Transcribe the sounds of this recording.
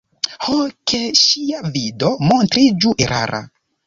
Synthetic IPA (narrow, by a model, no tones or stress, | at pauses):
hokʰeʃiavido̞mo̞ntɾid͡ʒuʔeɾʔa̰ɾʔa̰